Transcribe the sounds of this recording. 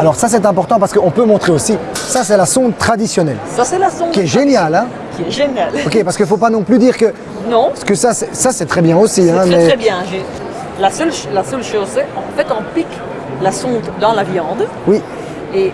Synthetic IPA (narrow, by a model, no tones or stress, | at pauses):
alɔʁsas̬ɛt̪ɛ̃pɔʁt̪ɑ̃paʁsəkəɔ̃pømɔ̃t̪χeosisasɛlasɔ̃t̪t̪ːχad̪isjɔnɛlsasɛlasɔ̃kiɛʒenjalɛ̃ | kʲiɛʒenjalɔkʲepaʁsə̥kəifopanɔ̃plyd̪iːʁkə | nɔ̃skəsasɛsasɛt̪χɛbjɛ̃osiɛ̃mɛɛbjɛ̃ʒe | lasəlʃlasœlʃozsɛɑ̃fɛt̪ɔ̃pik | lasɔ̃t̪d̪ɑ̃lavjɑ̃d̪ | wi | e